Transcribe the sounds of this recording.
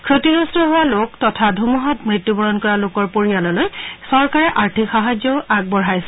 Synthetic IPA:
kʰɹotiɹɔstɔɦɔwaloktɔtʰadʱumɔɦɔtmɹitjubɔɹɔnkɔɹalokɔɹpoɹijanɔlojsɔɹkaɹɛʔaɹtʰikxaɦazjɔʊʔaɡ̚bɔɹɦajsɛ

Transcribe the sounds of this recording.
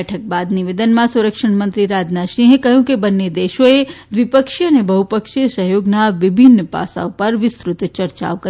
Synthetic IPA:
ʈʰək̚bad̪niʋed̪ənmãsuɾəkʂəɳ̃mə̃nt̪ɾiɾad͡ʒnaʃĩɦekəɦjũkebənːed̪eʃoe | ʋɪpəkʃiənebəɦupəkʃisəɦjoɡnaʋɪbʱinːəpa̰sa̰opəɾʋɪst̪ɾʊt̪t͡ʃəɾt͡ʃa̰okə

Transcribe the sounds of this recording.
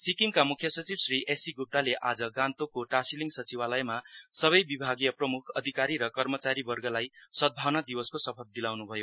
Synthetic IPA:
sikiŋkamukʰjʌsʌt͡sibsriʔesiɡup̚ʈ̪aleʔad͡zʌɡãnt̪okoʈasiliŋɡsʌt͡sibalʌjmasʌβʌjbibʱaɡijʌprʌmukʰʌd̪ʱikaɾiɾʌkʌrmʌt͡saɾibʌrɡʌlajsʌd̪̚bʱawnad̪ibʌskosʌpʰʌld̪ilawnubʱʌjo

